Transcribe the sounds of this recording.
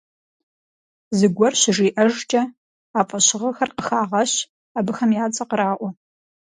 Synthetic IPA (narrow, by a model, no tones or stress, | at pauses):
zɨɡʷɔrɕɪʐiːʔɐʒt͡ʃʼɐ | aːfʼɐɕɪʁɐxɐrqəxaːʁɐɕ | aːbɨxɐmjaːt͡sʼɐqəɾaːʔʷɔ